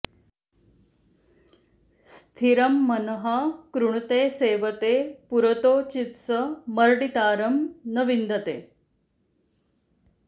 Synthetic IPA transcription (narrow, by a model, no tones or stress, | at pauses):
st̪ʰiɾɐmːɐnɦakɾuɳ̃t̪eːseːʋət̪eːpuɾət̪oːt͡ɕit̪səməɾɖit̪aːɾɐmnəʋind̪ɐt̪eː